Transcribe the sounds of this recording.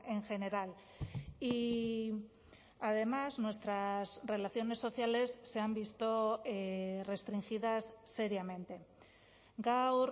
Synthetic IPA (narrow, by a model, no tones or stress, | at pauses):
eŋxe̞ne̞ɾal | i | aðe̞maznwe̞st̪ɾazre̞laθjo̞ne̞sːoθjale̞sːe̞ambist̪oere̞st̪ɾiŋxiðasːe̞ɾjamẽ̞nt̪e̞ | ɡawɾ